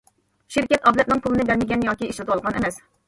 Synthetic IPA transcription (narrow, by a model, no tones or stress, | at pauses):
ʃiɾkʲɛt̪ʰɑblɛt̪̚nɨŋpʰulˠɨnɨbɛɾmɪɡʲɛnjɑːkʲiiʃlɛt̪ɑlˠʁɑnɛmɛs